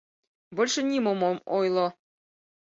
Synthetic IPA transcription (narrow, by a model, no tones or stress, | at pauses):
bɤ̆lʲʂɘ̆nʲimomomojlˠɤ̆